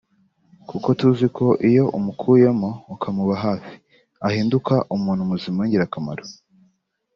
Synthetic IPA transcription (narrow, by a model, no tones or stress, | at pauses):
kuko̞tuzikʰo̞ʔijo̞ʔumukʰujemoːkʰamuβaɦaːfi̥ | ahiːndukaʔumuːn̤̥humuzimuɲɟiɾakama̰ɾo